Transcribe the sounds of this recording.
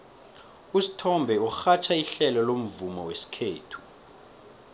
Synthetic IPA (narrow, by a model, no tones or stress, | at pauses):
usi̥tʰɔmbʱɛuxat͡ʃʰaiɬɛlɔlom̩vumɔwesi̥kʰeːtʰu̥